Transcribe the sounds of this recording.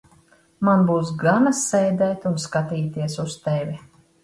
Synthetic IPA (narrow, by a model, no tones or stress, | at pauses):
manbuːs̬ɡanasɛjd̪ɛːt̪unskat̪iːt̪iɛsust̪ɛvʲi